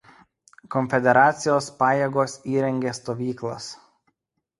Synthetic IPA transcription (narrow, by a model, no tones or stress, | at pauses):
kɔnʲfʲɛd̪ʲɛɾɑːt̪sʲɪjoːspɑːjeːɡoːsiːɾʲɛŋʲɡʲeːst̪oːʋʲiːklˠɐ̰s